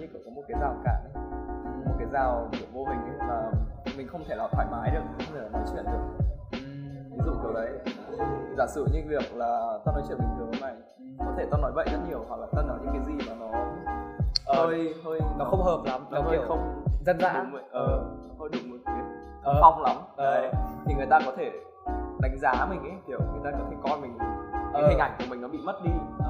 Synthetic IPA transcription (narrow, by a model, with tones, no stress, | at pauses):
ɲɨ˧kɨ˧˩kɔ˨˦mo˨˩t̚kaː˨˦jzaː˨˩wkaː˧˩ɗə˨˦˨mo˨˩t̚kaː˨˦jzaː˨˩wvɨ˨˩ək̚vo˧vï˨˩ŋ̟ə˨˦maː˨˩mï̟˨˩xə˧wŋ͡mt̪ʰe˧˩laː˨˩t̪ʰaː˧˩jmaː˨˦jɗɨ˨˩ək̚t̪ʰe˧˩laː˨˩ɔ˨˦jt͡ɕwḭ˧˨ənɗɨ˨˩ək̩̚˨˩ | vi˨˦zṵ˧˨kə˨˦wɗə˨˦j | zaː˧˩sɨ̰˧˩˨ɲɨ̰˧˥ŋvi˨˩ək̚laː˨˩t̪aː˧nɔ˨˦jt͡ɕḭ˧˩əmï˨˩ŋzɨ˨˩ə˨˦na˨˩j | kɔ˨˦t̪ʰe˧˩t̪a˧nɔ˨˦jvə̰˧˨jzə˦˥t̚ɲi˨˩əwhwa˨˩k̚laː˨˩t̪aː˧nɔ˨˦jɲɨ̰˧˥ŋkaː˨˦zi˨˩maː˨˩nɔ˨˦˧ | o˧jt̪ʰo˧jnɔ˨˦xə˧wŋ͡mɦəː˨˩p̚la˨˦mnɔ˨˦i˧˨˦xə˧wŋ͡mzə˧nza̰ː˧˩˨mə˧˨˩ʔəː˨˩˨t̪ʰo˧jɗɨ˨˩ək̚mo˨˩t̚ki˨˦ | əː˦˨fa˧wŋ͡mla˨˦mə˨t̪ʰi˨˩ŋɨ˨˩əjt̪aː˧kɔ˨˦t̪ʰe˧˩ | ɗa˨˦ŋ̟zaː˨˦mï˨˩ŋ̟ʔə˨˦jkʰi˧˩əwŋɨ˨˩jt̪aː˧ka˨˩i˨˧˩kɔ˧nmï˨˩ŋ̟˨˦a˨˦hi˨˩ŋ̟ʔa˧˩jŋku˧˩əmï˨˩ŋnɔ˨˦ɓḭ˧˨mə˦˥t̚ɗi˧˨